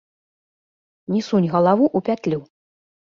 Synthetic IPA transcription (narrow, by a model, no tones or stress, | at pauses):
nʲisunʲɣɐlˠavuʔupʲat̪ʲlʲu